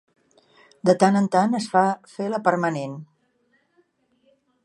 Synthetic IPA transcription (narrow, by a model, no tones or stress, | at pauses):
d̪ət̪anənt̪anəsfafeləpəɾmənen